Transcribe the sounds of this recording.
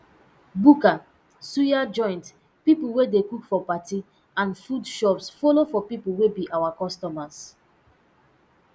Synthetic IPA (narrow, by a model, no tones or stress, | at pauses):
buka | sujad͡ʒɔ̃ɪ̃nt | pipuwedekukfɔpati | ãnfudʃɔpsfɔlofɔpipuwebiʔawakɔstɔmas